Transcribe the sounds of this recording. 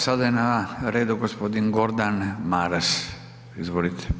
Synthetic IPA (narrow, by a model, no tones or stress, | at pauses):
sad̪ajenaɾeːd̪uɡospod̪inɡoɾd̪anmaɾas | izʋoɾit̪ʰɛ̥